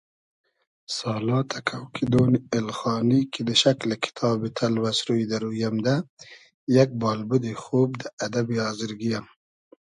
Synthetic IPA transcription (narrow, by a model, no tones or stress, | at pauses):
sɑːlɑːt̪ʰakʰawkʰid̪oːniɪlxɑːnikid̪əʃaklakʰɪ̥t̪ʰɑːbit̪ʰalwasɾujd̪aɾujamd̪a | jak̚bɑːlbud̪ixoːb̚d̪əad̪abiɑːzɪɾɡijam